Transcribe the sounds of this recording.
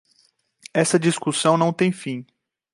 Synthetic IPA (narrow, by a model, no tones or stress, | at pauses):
ɛsɐd͡ʒiskusɐ̃w̃nɐ̃w̃t̪ẽj̃fĩ